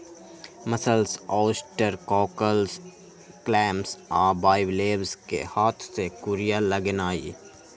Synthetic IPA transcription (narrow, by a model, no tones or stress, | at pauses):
mɐsəlsɔːsʈəɾkɔːkəlz | klɛːmsaːbaːɪʋleːʋzkḛhaːt̪ʰsekʊɾijalɐɡənaːḭː